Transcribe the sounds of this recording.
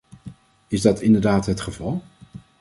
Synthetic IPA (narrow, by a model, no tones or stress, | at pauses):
ɪzdɑtʰɪndəɹdaːtɦətχəvɑlˠ